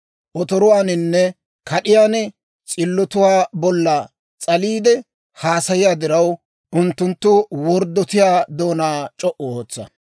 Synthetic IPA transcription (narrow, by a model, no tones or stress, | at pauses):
ʔɔt̪ɔɾʊwaːnɪnːɛ | kʰɐɗɪjaːnɛ | t͡sʼɪlːɔt̪ʊwaːbɔlːɐ | t͡sʼɐliːd̪ɛ | haːsɐjɪjaːd̪ɪɾɐw | ʔʊnt̪ːʊnt̪ːʊwɔɾd̪ːɔt̪ɪjaːd̪oːnaːt͡ʃʼɔʔɔoːt͡sːɐ̰